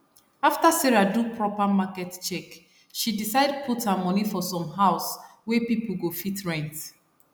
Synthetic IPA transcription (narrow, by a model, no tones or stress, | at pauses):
aftasɛɹadupʰɹɔpamakɛtt͡ʃɛk | ʃidisaɪdpʰuthamɔnifɔsɔ̃mɦaʊswɛpipl̩ɡofitɹɛ̃nt